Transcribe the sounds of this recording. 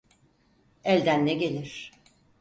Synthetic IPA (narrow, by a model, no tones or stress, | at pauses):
ɛlʲd̪ænːɛɡelʲiɾ̥